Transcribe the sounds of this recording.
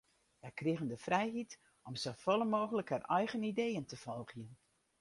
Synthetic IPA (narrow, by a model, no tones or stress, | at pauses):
jɛjkrɪɣəndəfrɛjɦit | ɔmsofɔlˠəmoːɣələkharɛjɣənidejəntəv̥ɔlˠɣjən